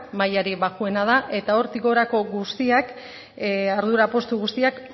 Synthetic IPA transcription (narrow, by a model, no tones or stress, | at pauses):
majaɾiβakue̞nað̞aʔe̞t̪aoɾt̪iɣo̞ɾako̞ɣust̪iak | aɾðuɾapo̞st̪uɣust̪iak